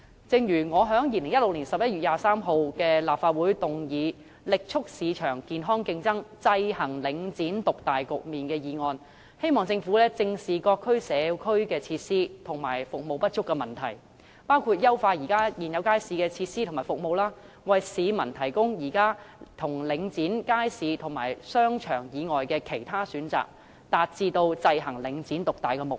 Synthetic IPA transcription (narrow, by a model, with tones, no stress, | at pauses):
t͡sɪ˧ŋjyː˨˩ŋɔː˨˧ɦœː˨˥ŋjiː˨˧lɪ˨˩ŋjɐ˥t̚lʊ˨k̚liː˨˩nsɐ˨p̚jɐ˥t̚jyː˨t̚jaː˨˧saː˥mɦo˧wkɛː˧laː˨p̚faː˧t̚wuː˨˥jt̪ʊ˨ŋjiː˨˧ | lɪ˨k̚t͡ʃʰʊ˥k̚siː˨˧t͡ʃʰœː˨˩ŋkiː˨nɦɔː˥ŋkɪ˧ŋt͡sɐ˥ŋt͡sɐ˧jhɐ˨˩ŋlɪ˨˧ŋt͡siː˨˥nt̪ʊ˨k̚t̪aː˨˩jkʊ˨k̚miː˨˩nkɛː˧jiː˨ŋɔː˧n | he˥jmɔː˨˩ŋt͡sɪ˧ŋfuː˨˥lɛː˥t͡sɪ˧ŋsiː˨kɔː˧kʰːɵ˥ɥsɛː˨˧kʰɵ˥ɥkɛː˧t͡sʰiː˧t̚siː˥t̪ʰʊ˨˩ŋmaː˨˩jfʊ˨k̚mo˨wpɐ˥t̚t͡ʃʊ˥kːɛː˧mɐ˨˩nt̪ʰɐ˨˩j | paː˥wkʰuː˧t̚jɐ˥wfaː˧tjiː˨˩kaː˥jiː˨˩njɐ˨˧wkaː˥jsiː˧kɛː˧t͡sʰiː˧t̚siː˥t̪ʰmaː˨˩fo˨k̚mo˨wlaː˥ | wɐ˨jsiː˨˧mɐ˨˩nt̪ʰɐ˨˩jkʊ˥ŋjiː˨˩kaː˥t̪ʰʊ˨˩ŋlɪ˨˧ŋt͡siː˨˥nkaː˥jsiː˨˧t̪ʰʊ˨˩ŋmaː˨˩jsœː˥ŋt͡ʃʰœ̰ː˨˩ŋjiː˨˧ŋɔː˨jkɛː˧kʰe˨˩jt̪ʰaː˥syː˨˧˥nt͡sa̰ː˨˩k̚ | t̪aː˨t̚t͡siː˧t̪o˧wt͡sɐ˧jɦɐ˨˩ŋlɪ˨˧ŋt͡siː˨˥nt̪ʊ˨k̚t̪aː˨jkɛ˧mʊ˨k̚